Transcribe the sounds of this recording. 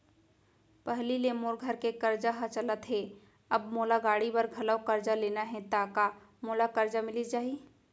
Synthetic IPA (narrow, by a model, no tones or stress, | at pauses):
pɛɦlilemoːɾɡʱəɾkekɐɾd͡ʒaɦɐt͡ʃələt̪ɦeː | ɐbmoːlaɡaːɽibɐɾɡʱɐləkɐɾd͡ʒaleːnaɦɛ̃t̪aːka | moːlakɐɾd͡ʒamɪlid͡ʒaːi